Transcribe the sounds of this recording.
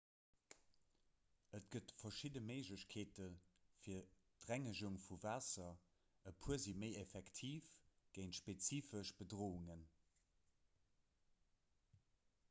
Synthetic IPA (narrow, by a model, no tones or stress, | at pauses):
ʔət̚ɡ̥ətfɐʃidəməɪʒləɕkʰeːtəfiːɐtʁæŋəʒuŋfuvaːsɐ | əpʰuəziməɪefɛktʰiːfɡ̥əɪntʃpet͡siːfəʃb̥ədʁoːuŋən